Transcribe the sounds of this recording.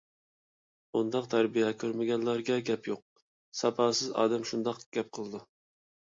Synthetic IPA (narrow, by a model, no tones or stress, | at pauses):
und̪ɑqt̪ʰæɾbijɛkʲʰøɾmɪɡʲɛnlˠɑɾɡʲɛɡʲɛpjoq̚ | sɑpʰɑːsɨzɑ̰ːd̪ɛmʃund̪ɑqɡ̥ʲɛp̚qʰəlˠɨd̪u